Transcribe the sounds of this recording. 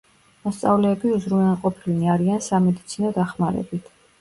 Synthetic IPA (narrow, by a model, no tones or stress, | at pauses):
mɔst̪sʼavlɛːbiuzɾumalqʼɔpʰilniaɾiansamɛd̪it̪sʰinɔd̪aχmaɾɛ̰bit̪ʰ